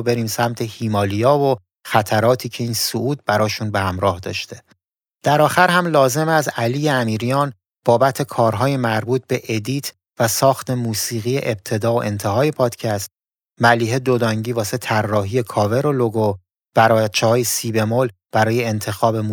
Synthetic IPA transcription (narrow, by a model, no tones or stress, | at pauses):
be̞ɾiːmsæmt̪ʰe̞hiːmɒːlijɒːvo | xæt̪ʰæɾɒːt̪ʰiːcʰe̞iːnsoʔuːd̪̚bæɾɒːʃuːnbe̞hæmɾɒːhd̪ɒ̰ːʃt̪ʰe̞ | d̪̥æɾɒːxæɾhæmlɒːze̞mæzæliːjeæmiːɾijɒːn | b̥ɒːbæt̪ʰe̞kʰɒːɾɦɒːje̞mæɾbuːt̪̚be̞ʔed̪iːt̪ʰ | væsɒːxt̪ʰe̞muːsiːɣijḛʔeb̚t̪ʰe̞d̪ɒːoʔe̞nt̪ʰe̞ɦɒːje̞pʰɒːd̪̥cʰæst̪̚ | mæliːhe̞d̪od̪ɒŋɟiːvɒːse̞t̪ʰærːɒːɦije̞kʰɒːve̞ɾoloɡo | b̥æɾɒt͡ʃʰehɒːjesiːbe̞mol | b̥æɾɒːjeːnt̪ʰe̞xɒːbe̞mu